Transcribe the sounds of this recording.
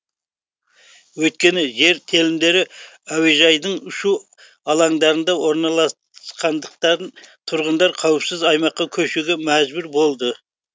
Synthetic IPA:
wɵjt̪̚kʲe̞nɪʒe̞ɾt̪ʰe̞lɪmd̪e̞ɾɪ | æweʒɑjd̪əɴʊʃu | ɑlˠɑŋd̪ɑɾənd̪ɑwo̞ɾnɑlˠɑ | sqɑnd̪əq̚t̪ɑɾnt̪ʰʊɾʁənd̪ɑɾqʰɑwəpsɪzɑjmɑqːɑkʲʰɵʃɪɡʲemæzbʊɾbo̞lˠd̪ə

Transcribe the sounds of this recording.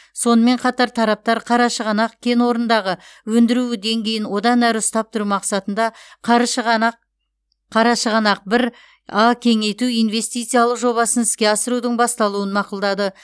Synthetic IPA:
so̞nəme̞ɴqʰɑt̪ɑɾt̪ʰɑɾɑp̚t̪ɑɾqʰɑɾɑʃəʁɑnɑqkʲʰe̞nwo̞ɾənd̪ɑʁəwɵnd̪ɪɾuɪd̪e̞ŋɡʲe̞jɪnwo̞d̪ɑnæɾəʊst̪ɑp̚t̪ʰʊɾumɑqsɑt̪ənd̪ɑqʁqʰː | ɑɾɑʃəʁɑnɑq̚bɪɾ | ɑkʲʰe̞ŋe̞jt̪uijnve̞st̪ijt̪sɨjɑlˠəqʒo̞βɑsənɪskʲe̞ɑsəɾud̪əɴbɑst̪ɑlˠuənmɑqəlˠd̪ɑd̪ə

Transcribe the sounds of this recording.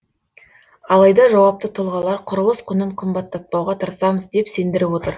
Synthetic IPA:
ɑlˠɑjd̪ɑʒɑwɑp̚t̪ət̪ʰʊlˠʁɑlˠɑɾqʰʊɾəlˠəsqʰʊnəɴqʰəmbɑt̪ːɑt̪̚pɑwʁɑt̪ʰəɾəsɑməzd̪e̞pse̞nd̪ɪɾɪpwo̞t̪əɾ

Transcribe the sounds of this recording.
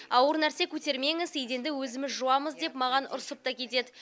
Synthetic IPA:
ɑwəɾnæɾse̞kʲʰɵt̪e̞ɾme̞ŋɪzejd̪e̞nd̪ɪwɵzɪmɪzʒuwɑməzd̪e̞pmɑʁɑnʊ̰ɾsəp̚t̪ɑkʲʰe̞t̪e̞d̪ɪ

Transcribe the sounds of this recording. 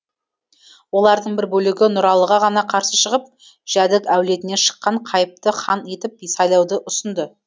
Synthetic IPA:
wo̞lˠɑɾd̪əɴbɪɾbɵlɪɡʲɪnʊɾɑlˠəʁɑʁɑnɑqʰɑɾsəʃəʁəp̚ | ʒ̥æd̪ɪkæwle̞t̪ɪne̞ʃə̥qːɑɴqʰɑjəp̚t̪əχɑne̞t̪ɪp̚sɑjlˠɑwd̪əʔʊsənd̪ə

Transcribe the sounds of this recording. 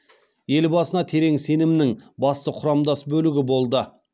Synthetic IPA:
je̞lbɑsənɑt̪ʰe̞ɾe̞ŋse̞nɪmnɪŋbɑst̪əqʰʊɾɑmd̪ɑsbɵlɪɡʲɪbo̞lˠd̪ə

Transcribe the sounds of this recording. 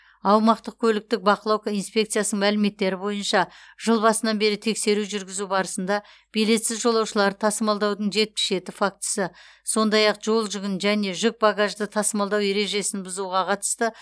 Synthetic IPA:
ɑwmɑqt̪əq̚kʲʰɵlɪk̚t̪ɪk̚bɑqəlˠɑwkinspʲe̞k̚t̪sijasəɴmælɪme̞t̪ːe̞ɾɪbo̞jənʃɑʒ̥əlˠbɑsənɑnbe̞ɾɪt̪ʰe̞kse̞ɾuʒʏɾɡʲɪzubɑɾəsənd̪ɑ | b̥ijle̞t̪sɪzʒo̞lˠɑwʃəlˠɑɾət̪ʰɑsəmɑlˠd̪ɑwd̪əɴʒe̞t̪̚pɪsʒe̞t̪ɪfak̚t̪ə̥sə | so̞nd̪ɑjɑqʒ̥o̞lˠʒʏɡʲɪnʒæne̞ʒʏk̚baɡaʒd̪ət̪ʰɑsəmɑlˠd̪ɑwe̞ɾe̞ʒe̞sɪnbʊzuʁɑqʰɑt̪ə̥st̪ə

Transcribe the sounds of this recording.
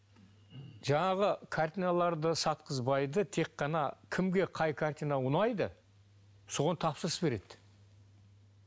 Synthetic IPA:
ʒɑɴɑʁəkʰart̪ʲijnalˠɑɾd̪əsɑt̪̚qʰəzbɑjd̪ət̪ʰe̞qːɑnɑ̰kʲʰɪmɡʲe̞qʰɑjkʰart̪inaʊnɑjd̪ə | so̞ʁɑnt̪ʰɑpsəɾəsbe̞ɾe̞d̪̥

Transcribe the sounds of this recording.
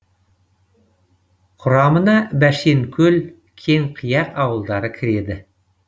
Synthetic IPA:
qʰʊɾɑmənɑbæʃeŋkʲʰɵl | kʲʰe̞ŋqʰəjɑqɑwəlˠd̪ɑɾəkʲʰɪɾe̞d̪ɪ

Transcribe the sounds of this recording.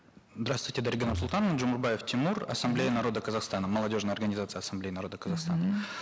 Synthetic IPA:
zd̪ɾast̪vwʊjtʲɪd̪ɐɾʲɡenəsulˠt̪anəd͡ʒʊmurbajeft̪ʲimurɐ̰sɐmblʲejənɐɾo̞d̪əkəzaχst̪anəmɐlˠɐdʲo̞ʐnəjɐrɡənʲɪzat̪sɨjɐsɐmblʲejinɐɾo̞d̪əkəzɐχst̪anə

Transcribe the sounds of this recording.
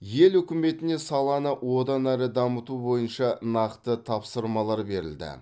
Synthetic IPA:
je̞lɵkʲɪme̞t̪ɪne̞sɑlˠɑnəwo̞d̪ɑnæɾɪd̪ɑmət̪ubo̞jənʃɑnɑqt̪ət̪ʰɑpsəɾmɑlˠɑɾbe̞ɾɪ̰ld̪ɪ̰

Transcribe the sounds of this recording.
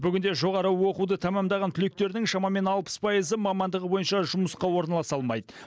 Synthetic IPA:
bʏɡʲɪnd̪e̞ʒo̞ʁɑɾəwo̞qud̪ət̪ʰæmɑmd̪ɑʁɑnt̪ʰʏle̞k̚t̪e̞ɾɪd̪ɪŋʃɑmɑme̞nɑlˠpə̥spʰɑjəzəmɑmɑnd̪əʁəbo̞jənʃɑʒʊməsqɑwo̞ɾnɑlˠɑsɑlˠmɑjd̪ə

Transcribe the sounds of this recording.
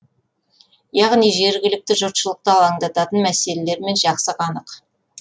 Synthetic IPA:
jɑʁnijʒe̞ɾɡʲɪlɪk̚t̪ɪʒʊt̪ʃəlˠəq̚t̪əɑlˠɑŋd̪ɑt̪ɑt̪ənmæse̞le̞le̞ɾme̞nʒɑqsəqɑnəq

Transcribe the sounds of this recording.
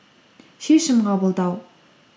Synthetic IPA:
ʃeʃɪmqɑbə̆lˠd̪ɑw

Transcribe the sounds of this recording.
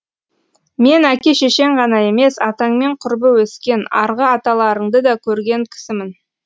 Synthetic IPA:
me̞nækʲe̞ʃe̞ʃe̞ɴʁɑnɑe̞me̞sɑt̪ɑɴme̞ɴqʰʊɾbəwɵskʲe̞nɑ̰ɾʁəɑt̪ɑlˠɑɾəɴd̪əd̪ɑkʲʰɵɾɡʲe̞ŋkʲʰɪ̥sɪmɪn

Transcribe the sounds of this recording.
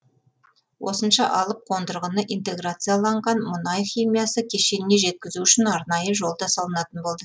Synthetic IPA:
wʔo̞̰sənʃɑʔɑlˠəp̚qʰo̞nd̪əɾʁənəʔijnt̪e̞ɡɾat̪sɨjalˠɑɴʁɑnmʊnɑjχʲimijasəkʲʰe̞ʃe̞nɪne̞ʒe̞t̪̚kʲɪzuʏʃɪnɑɾnɑjəʒo̞lˠd̪ɑsɑlˠənɑt̪ənbo̞lˠd̪ə

